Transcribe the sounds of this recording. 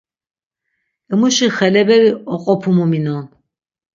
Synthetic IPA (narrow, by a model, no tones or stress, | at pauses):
ɛmuʃiχɛlɛbɛɾiɔqʼɔpʰumuminɔn